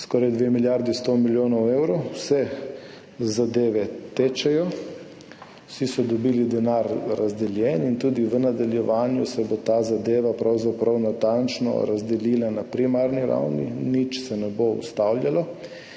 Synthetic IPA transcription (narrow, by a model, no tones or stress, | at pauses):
skɔɾajd̪ʋemiljaɾd̪ist̪omiljoːnɔwewɾosɛ | zad̪eːʋɛt̪eːt͡ʃɛjɔ | sisɔd̪ɔbiːlid̪ɛnaɾːazd̪ɛljɛnint̪uːd̪iʋənad̪aljɛʋaːnjusɛbot̪aːzad̪eːʋapɾawzapɾawnat̪ant͡ʃnɔ̰ɾazd̪ɛliːlanapɾimaːɾniɾa̰wnḭnit͡ʃsɛnɛboṵst̪awlʲjalɔ